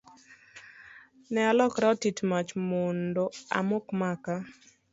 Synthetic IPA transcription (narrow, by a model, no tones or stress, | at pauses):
nɛalɔkɾɛtitmat͡ʃmondoa̰mokmaka